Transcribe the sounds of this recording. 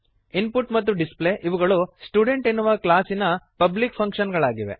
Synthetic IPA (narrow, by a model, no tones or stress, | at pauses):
inpuʈmɐt̪ːuɖisple̞ːʔiʋuɡɐɭusʈjuːɖe̞ɳʈenːuʋɐklaːsinɐpɐblikpʰɐŋkʂɐnɡɐɭaːɡiʋe̞̰